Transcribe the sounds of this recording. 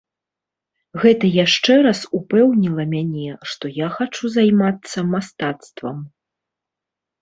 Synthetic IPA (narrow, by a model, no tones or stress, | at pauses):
ɣɛt̪ɐjaʂt͡ʂɛɾɐsupɛwnʲilˠɐmʲanʲɛʂt̪ɔjaxat͡ʂuzajmat̪sːɐmast̪at̪st̪vɐ̰m